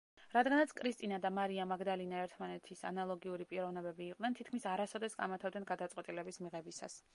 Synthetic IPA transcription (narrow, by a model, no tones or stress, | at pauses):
ɾad̪ɡanat̪sʰkʼɾist̪ʼinad̪amaɾiamaɡd̪alinaɛɾt̪ʰmanɛt̪ʰisa̰nalˠɔɡiuɾipʼiɾɔvnɛbɛbiːqʼd̪ɛnt̪ʰit̪̚kʰmisaɾasɔd̪ɛsɡʼa̰mat̪ʰavd̪ɛnɡad̪at̪sʼqʼwɛt̪ʼilɛbismiʁɛbisa̰s